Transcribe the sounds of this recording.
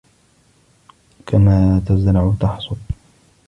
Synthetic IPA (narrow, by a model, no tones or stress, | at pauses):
kʰamaːt̪aznaʕt̪ɑħsˤʊl